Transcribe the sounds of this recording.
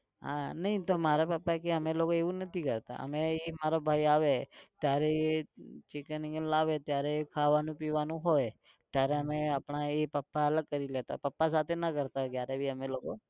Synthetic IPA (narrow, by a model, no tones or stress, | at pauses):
ɦã̰nəɦĩt̪omaɾapəpːaekeəmelokoeʋũnət̪ʰikəɾt̪a̰ʔə̰meemaɾobʱaiaʋet̪jaɾeet͡ʃikənɪ̃ŋɡənlaʋet̪jaɾekʰaʋanũpiʋanũɦoj | t̪jaɾeəmeapɳaepəpːaələɡ̚kəɾilet̪a̰pəpːasat̪ʰenakəɾt̪akjaɾebʱiəmeloko